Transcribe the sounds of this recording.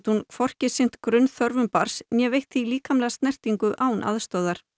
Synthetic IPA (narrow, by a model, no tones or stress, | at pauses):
t̪hunkʰfɔr̥cɪsɪn̥t̪kɾʏnθœɾvʏmpaɾ̥smjɛvejht̪θiliːkamlɛɣast̪nɛr̥t̪iŋkʏʔaːwnʔa̰ðst̪œwðaɾ̥